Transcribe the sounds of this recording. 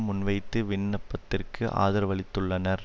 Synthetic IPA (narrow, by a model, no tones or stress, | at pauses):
mʊnʋɐɪt̪ːɯʋɪnːɐpːɐt̪ːɪrkɯʔa̰ːðɐɾʋɐɭɪt̪ːɯɭːɐnɐɾ